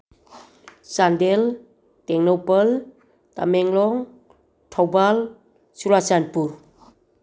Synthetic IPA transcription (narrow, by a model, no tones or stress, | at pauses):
sandel | teŋnɔwpəl | ta̰meŋlɔŋ | tʰɔwbal | sulasanpuɾ